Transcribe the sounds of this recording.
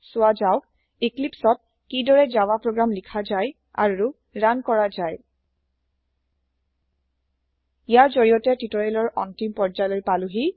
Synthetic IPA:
sʊwad͡ʒaʊk̚ | iklipsɔt̚ | kidɔɹɛzawapɹoɡɹamlikʰazaj | a̰ɹu | ɹankɔɹazaj | ijaɹzoɹijɔtɛtitoɹalɔɹʔɔntimpɔɹd͡ʒajlojpaluɦi

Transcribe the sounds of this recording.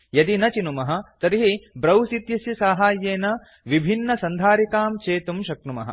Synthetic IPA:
jɐd̪inɐt͡ʃinumɐɦɐ̆t̪ɐɾiɦibɾɐwsit̪jɐsjɐsaːɦaːjːeːnɐ | ʋibʱinːɐsɐnd̪ʱaːɾikaːmt͡ʃeːt̪umʃɐk̚numɐ̰ɦɐ̰

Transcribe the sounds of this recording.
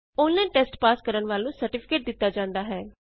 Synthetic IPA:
oːnlẽːʈeːsʈpaːskəɾəɳʋaːlũːsəɾʈɪpʰɪ̥keːʈ̚d̪ɪt̪ːaːd͡ʒãːnd̪aːɦɛː

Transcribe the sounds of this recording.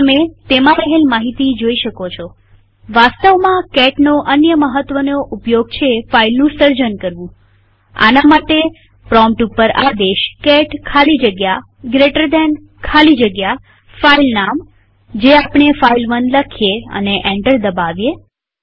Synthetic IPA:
əmet̪emãɾəɦelmaɦit̪id͡ʒoiʃəkot͡ʃʰo | ʋast̪əʋmãkɛʈnoʔənjəməɦət̪ʋənoʔupjoɡt͡ʃʰefailnũsəɾd͡ʒənkəɾʋũ | a̰namaʈe | pɾɔmpʈupəɾad̪eʃkɛʈkʰalid͡ʒəɡja | ɡɾeʈəɾd̪ɛn | kʰalid͡ʒəɡja | failnam | d͡ʒeapɳ̃efailʋənləkʰijeə̰neʔẽɳʈəɾd̪əbaʋje

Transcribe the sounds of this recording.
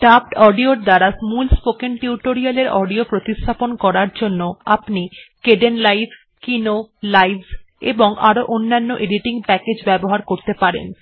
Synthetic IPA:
ʈapʈɔɖioɾd̪aɾasmulspokenʈiuʈoɾialeɾɔɖiopɾot̪ist̪ʰaponkɔɾaɾd͡ʑonːoapnikeɖenlajf | kinolajbz | ḛboŋa̰ɾoʔonːanːoʔeɖiʈiŋpɛked͡ʑbɛboɦaɾkoɾt̪epaɾḛn

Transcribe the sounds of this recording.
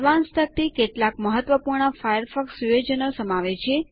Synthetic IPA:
ʋanst̪ʰək̚t̪ikeʈlakməɦət̪ʋəpuɾɳəfajəɾfɔksujed͡ʒənosəmaʋet͡ʃʰe

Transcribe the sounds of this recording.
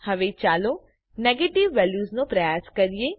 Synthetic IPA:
hɐʋet͡ʃaːlo | neːɡeːʈɪʋːɛːljuːznũpɾɐjaːskɐɾijeː

